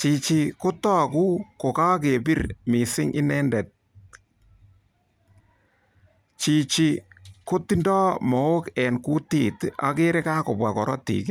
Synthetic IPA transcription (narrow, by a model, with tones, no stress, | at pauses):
t͡ʃi˨t͡ʃi˨ko˦tɔ˦ku˦ko˨ka˦ke˨bi˦rmi˨sɪ˦ŋʔɪ˦nɛ˦ndɛ˨t̚ | t͡ʃi˨t͡ʃi˨ko˦ti˦ndɔː˦mɔ˨o˦kɛ˨nku˦ti˦˨ta̰˦ke˦ɾe˦ka˦ko˨bwa˨kɔ˨ɾɔ̰˦tḭ˨k